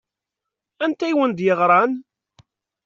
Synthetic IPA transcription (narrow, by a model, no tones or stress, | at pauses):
ænt̪æjwənd̪jəʁɾˤɑn